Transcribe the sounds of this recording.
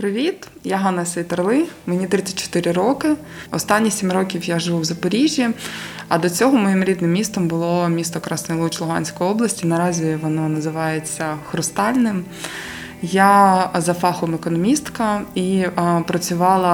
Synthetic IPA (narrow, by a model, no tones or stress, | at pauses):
pɾɪʋʲit̪ | jaɦɑnɐsʲɛjt̪ɐrlˠɪmenʲit̪ɾɪt͡sʲɐ̥tʲt͡ʃɔ̥t̪ɪɾɪɾɔkɪ | ɔst̪ɑnʲːisʲimrɔkʲiwjaʒɪʋuwzɐpɔɾʲiʒʲjiɐ̰d̪ɔt͡sʲɔɦɔmɔjimɾʲid̪nɪmʲːist̪ɔmbʊlˠɔmʲist̪ɔkɾɑsnɔjlˠɔt͡ʃlˠʊɦɑ̰nʲsʲkɔjɔblˠɐsʲtʲinɐɾɑzʲiʋɔnɔnɐzɪʋɑjet͡sʲːɐxɾʊst̪ɑlʲnɪm | jazɐfɑxɔmekɔnɔmʲist̪kɐipɾɐt͡sʲʊʋɑlˠɐ